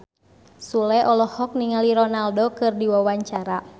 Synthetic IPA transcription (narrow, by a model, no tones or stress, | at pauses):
sulɛʔɔlɔhɔk̚niŋaliɾɔnaldokɨrdiwawaɲt͡ʃaɾa